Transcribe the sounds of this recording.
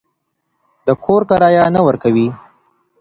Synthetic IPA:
d̪əkʰoɾkaɾɑjanəwəɾkawi

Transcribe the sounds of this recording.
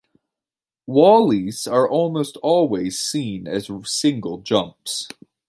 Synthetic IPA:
wɔlˠiz̥ə˞ʔɔlˠmoʊstʰɔlˠwiz̥sĩnɨzsɪ̃ŋɡəl̩ˠd͡ʒʌ̃mps

